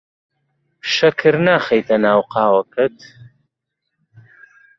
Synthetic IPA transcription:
ʃɐkʰɨɾnaːχɐjt̪ʰʼɐnaːwqɑːwɐkʰɨt̪

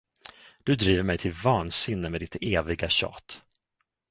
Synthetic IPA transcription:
d̪̥ɵd̪ɾiːvəɾmɛjt̪ʰɪlvɑːnsɪnːəmeːd̪ɪt̪eːvɪɡaɕɑ̰ːt̪

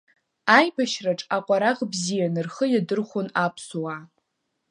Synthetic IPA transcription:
ajbaʃraʈ͡ʂʼaqʷʼaɾaʁbzijanɨrχəjadɨrχʷonapʰsowa

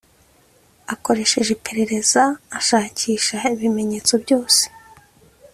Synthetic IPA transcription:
ako̞ɾe̞ːʃe̞ʒe̞pe̞ɾe̞ɾe̞zaːʃaːciːʃaiβime̞ɲe̞ːt͡so̞bɟo̞ːse̥

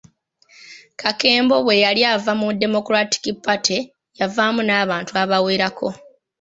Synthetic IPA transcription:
kake̞ːmbo̞βwe̞jaljaːvamudːe̞mo̞kuɾati̥kipːatʰe | javaːmunaːβaːntuaβaweːɾakʰo̞

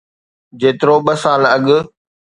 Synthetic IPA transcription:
d͡ʑeːt̪ɪɾoɓəsaːlɐɠ

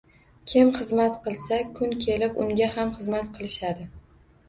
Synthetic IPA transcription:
kʲʰɪmχɨzmat̪qʰɨlˠsakʰʊŋkʲʰe̞lɪpʊŋɡʲahamχɨzmat̪qʰɨlˠɪʃad̪ɪ

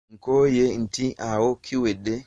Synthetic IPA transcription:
ŋkɔjeintiʔawokʰːiwɛdːɛ

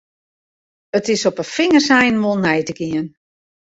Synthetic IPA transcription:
ətɪsɔpəfɪŋərsɛjnʋolˠnɛjtəɡiən

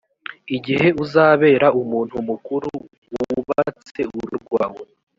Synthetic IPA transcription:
iɟihe̞uzaːβe̞ːɾaumuːnhumukuɾu | wuβaat͡se̞uɾṵɾɡwaːwo

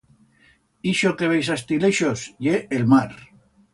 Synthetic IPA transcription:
iʃokeβejsast̪ileʃosjeelmaɾ

